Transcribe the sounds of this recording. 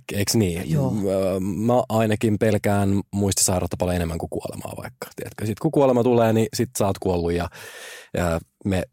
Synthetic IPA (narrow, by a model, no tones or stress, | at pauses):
eiksniːjo | mæʔɑinɑkimpelkæːnmuist̪ɑsɑirɑ̰t̪ːɑpɑleenemːæŋkukuo̰lḛmɑ̰ːʋɑ̰ikːɑ̥t̪iæt̪køsit̪kukuolemɑt̪uleːnisit̪sɑːt̪kuolːujjɑ | əːme